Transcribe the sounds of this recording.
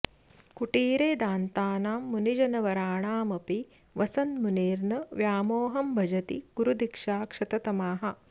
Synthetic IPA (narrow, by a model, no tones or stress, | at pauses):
kuʈiːɾeːd̪aːnt̪aːnaːmːunid͡ʒɐnɐʋɐɾaːɳaːmɐpi | ʋɐsɐnmuniːɾnɐʋjaːmoːɦɐmbʱɐd͡ʒɐt̪ḭɡ̥uɾud̪ikʂaːkʂɐt̪ɐt̪ɐmaːɦɐ̆